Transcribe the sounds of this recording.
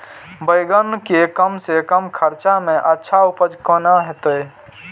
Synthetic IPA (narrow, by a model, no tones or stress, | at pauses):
bəjɡənkekəmsekəmkʰəɾt͡ʃamẽʔətːʃʰaupəd͡ʒkənaɦet̪əj